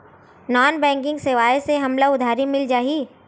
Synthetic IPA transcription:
nɔːnbɛ̃ːŋkɪ̃ŋɡseʋaːjseɦɐmlaʊd̪ʱaːɾimɪld͡ʒaːɦi

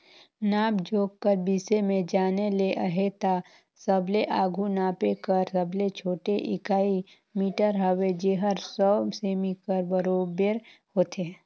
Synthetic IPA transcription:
naːbd͡ʒoːɡkəɾbiːsemẽd͡ʒaːneleʔəɦet̪a | səbleʔaːɡʱunaːpekəɾsəblet͡ʃʰoːʈeʔɪkaːi | miːʈəɾɦəwed͡ʒeːɦəɾsɔːseːmikəɾbəɾoːbeɾhoːt̪ʰe

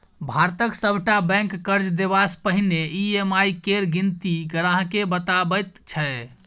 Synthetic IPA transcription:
bʱaɾt̪əksəbʱʈabɛ̃ŋkːəɾd͡ʒd̪ebaspəɦineiemajkeɾɡint̪iɡəɾaɦkebət̪abət̪t͡ʃʰɛ

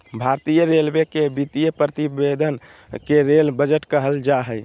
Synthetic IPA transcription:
bʱaɾt̪ijəɾelmekebit̪ijəpɾət̪ibed̪ʱən | keɾelbəd͡ʒəʈkəɦəld͡ʒaɦəj

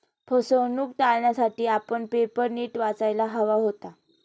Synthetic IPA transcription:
pʰəsəwnuːk̚ʈ̪alɳjasaʈiːapəɳpepəɾniːʈʋat͡sajlaɦəʋaɦot̪a

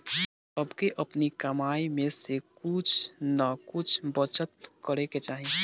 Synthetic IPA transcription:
əbkeʔəpnikəmaːimẽsekʊt͡ʃʰnəkʊt͡ʃʰbət͡ʃət̪̚kəɾeket͡ʃaːɦi

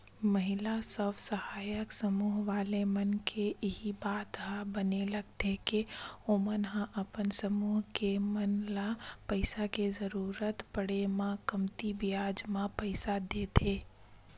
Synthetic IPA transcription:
məɦɪlasəbsəhaːjəksəmuːɦʋaːlemɐnkʰeɪɦibaːt̪ɦãbənelɐɡt̪ekeomənɦãʔɐpənsəmuːɦkemənlapəɪsakezəɾuːɾət̪pəɽemãkɐmt̪ibijaːd͡ʒmãpəɪsad̪eːt̪ʰeː

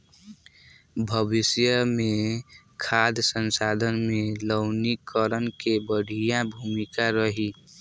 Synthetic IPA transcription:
bʱəbɪsjəmẽ | kʰad̪ʱsənsaːd̪ʱənmẽləʊnikəɾənkebəɽ̤ʱijãbʱumikaɾəɦi

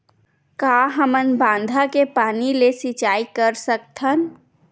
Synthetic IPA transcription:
kaɦəmənbãːnd̪ʱakepaːnilesit͡ʃaːikəɾsəkt̪ʰən

